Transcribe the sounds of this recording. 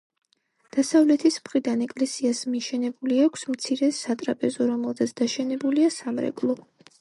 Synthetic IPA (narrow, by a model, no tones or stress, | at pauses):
d̪̥asavlɛt̪ʰismχɾid̪anɛkʼlɛsiasmiʃɛnɛbuliakʷʰsmt̪sʰiɾɛsat̪ʼɾapʼɛzɔɾɔmɛlˠt̪ʰat̪sʰd̪̥aʃɛnɛbuliasamɾɛ̰kʼlˠɔ